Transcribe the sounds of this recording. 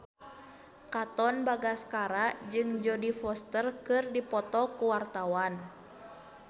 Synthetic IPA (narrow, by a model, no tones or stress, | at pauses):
kat̪ɔnbaɡaskaɾad͡ʒɨŋd͡ʒɔdifɔst̪ərkɨrdipɔt̪ɔkuwart̪awan